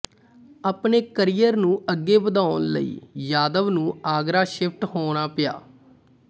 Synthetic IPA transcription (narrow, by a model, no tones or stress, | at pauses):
aːpneːkəɾiːjəɾnũːəɡːeːbəd̪aːʊnlə̰ḭːjaːd̪əʋnũːaːɡɾaːʃɪpʰʈɦoːɽ̃aːpɪja̰ː